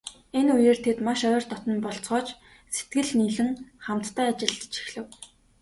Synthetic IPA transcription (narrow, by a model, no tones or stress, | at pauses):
enujeːr̥t̪ʰet̪maʃœːrt̪ʰɔt̪ɞ̆mpɔɬt͡sɢɔːt͡ɕ | se̥t̪ɡɘ̆ɮniːɮɘ̆ŋχam̥t̪ːʰæːat͡ɕɪ̆ɮt͡ɕi̥xɮɘ̆w